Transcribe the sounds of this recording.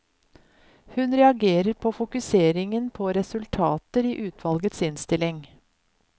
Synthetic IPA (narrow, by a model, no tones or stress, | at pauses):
hʉnɾɛɑɡeːɾəɾpʰoːfʊkʉseːɾɪŋənpʰoːɾɛsʉlt̪ʰɑːt̪əɾiːʔʉːt̪ʰʋɑlɡət̪sɪnst̪ɪlɪŋ